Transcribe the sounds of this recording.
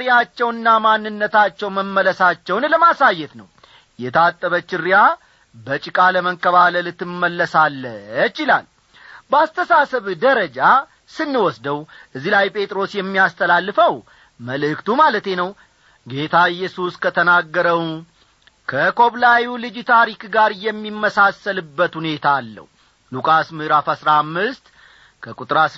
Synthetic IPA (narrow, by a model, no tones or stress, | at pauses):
ɾijat͡ʃːɛwɨnːamanːɨnːət̪ʰat͡ʃːɛwməmːələsat͡ʃːɛwnləmasajːɛt̪nəw | jɛt̪ʰat̪ʼːəβət͡ʃːɪɾja | bət͡ʃʼɪkʼaləməŋkʼːəβaləlɨt̪ʰːɨmːəlːəsalːət͡ʃɪla̰l | bəast̪ʰəsasəβd̪əɾəd͡ʒa | sɨnːɨwɔsd̪əwʔɨzːilajpʼʰe̞t̪ʼɾo̞sjɛmːiast̪ʰəlalːɨfəw | məlɨkt̪ʰumalət̪e̞nəw | ɡe̞t̪ʰaɨjːɛsuskʰət̪ʰənaɡːəɾəw | kʰəkʰo̞βlajulɨd͡ʒt̪ʰaɾikɡaɾjɛmːimːəsasəlɨbːət̪hune̞t̪ʰaːlːə̰h | lukʼasmɨɾafasɾamːɨst̪ | kʰəkʼut̪ʼɾas